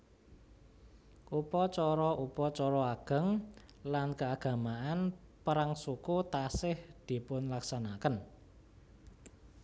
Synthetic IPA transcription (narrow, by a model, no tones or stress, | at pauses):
ʔupɔt͡ʃɔɾɔʔupɔt͡ʃɔɾɔaɡ̥ə̤ŋ | lankəaɡ̥a̤maʔanpəɾaŋsukut̪asɪhd̪̥i̤pʊnlaksanakən